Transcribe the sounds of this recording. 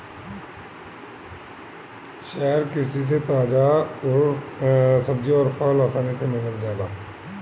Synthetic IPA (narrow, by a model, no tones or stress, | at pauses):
ʃɛɦɾkɪsis̬et̪aːd͡ʒaɾ | səbd͡ʒiɔːɾfʰaːlaːsaːnisemɪnəld͡ʒjaːd̪aː